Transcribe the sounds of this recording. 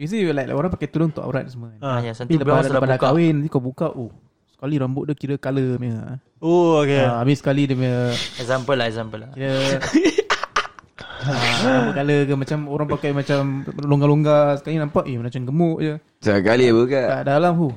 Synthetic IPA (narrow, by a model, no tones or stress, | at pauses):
bis̬ilajkla̰ʔoɾaŋpakajʔt̪ulʊŋt̪ʊ̰ʔa̰ɾa̰t̪̚səmənjasanpiiləapadakkawɪnt̪ikawbukaʔo | sə̥kaliɾambʊʔdukiɾəkaləmea̰ | ookeabisə̥kalidəməɛzampəlaɛzampəlaiɾə | aaboʔkaləkəmat͡ʃamoɾaŋpakajmat͡ʃamloŋɡaloŋɡasə̥kalinãmpaʔjamənat͡ʃanɡəmʊʔd͡ʒə | səkalibukaʔadalamɦu